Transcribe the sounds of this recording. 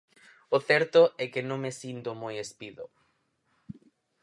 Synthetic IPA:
ʊθɛɾt̪ʊɛkenõŋmesint̪omojespiðʊ

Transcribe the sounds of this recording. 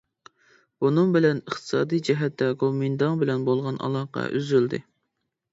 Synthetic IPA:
bunɨŋbɪlɛnəχt̪ʰɨ̥sɑːd̪ijd͡ʒɛɦɛt̪ːɛkomind̪ɑŋbɪlɛnbolˠʁɑnʔɑ̰lˠɑːqɑ̰ʔy̰zyld̪ɪ̰

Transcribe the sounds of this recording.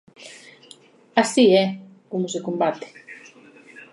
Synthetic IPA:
asiɛ | komʊsekombat̪e̥

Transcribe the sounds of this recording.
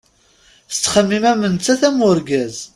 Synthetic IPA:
θət͡sːχəmːimæmənt͡sːæθæmʊɾɡæz

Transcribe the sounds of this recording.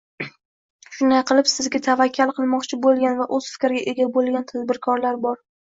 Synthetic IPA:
ʃʊnd̪ajqʰɨlˠɪpsɪzɡʲat̪ʰavakʲʰːalˠqʰɨlˠmɒqt͡ʃʰɪbolˠɡʲanvaʔozfɪ̥kʲɾɪɡʲaʔeɡʲabolˠɡʲant̪ʰazbɪɾkʰɒɾlaɾbɒɾ

